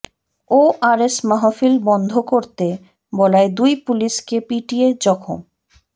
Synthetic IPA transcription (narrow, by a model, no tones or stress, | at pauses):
oʔaɾesmaɦofilbɔnd̪ʱokoɾt̪e | bɔlaed̪ujpuliʃkepiʈijed͡ʑɔkʰo̰m